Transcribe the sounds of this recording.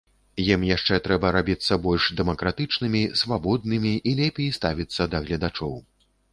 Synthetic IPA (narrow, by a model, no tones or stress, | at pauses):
jimjaʂt͡ʂɛt̪ɾɛbɐɾabʲit̪sːɐbɔlʲʂd̪ɛmɐkɾat̪ɨt͡ʂnɨmʲisvabɔd̪nɨmʲiʔilʲɛpʲejst̪avʲit̪sːɐd̪ɐɣlʲɐd̪at͡ʂɔw